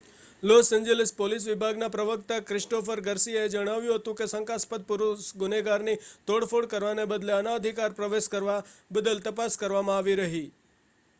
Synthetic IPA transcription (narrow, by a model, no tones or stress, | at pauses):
losɛ̃ɲd͡ʒelɪspolis̬ʋɪbʱaɡnapɾəʋəkt̪akɾɪʃʈofəɾɡəɾsiaed͡ʒəɽ̃aʋjũɦət̪ũkesəŋkaspət̪̚pʊɾusɡʊneɡaɾnit̪oɽfʰoɽkəɾʋanebəd̪leənaəd̪ʱikaɾpɾəʋeskəɾʋabəd̪əlt̪əpaskəɾʋamãaʋiɾəɦi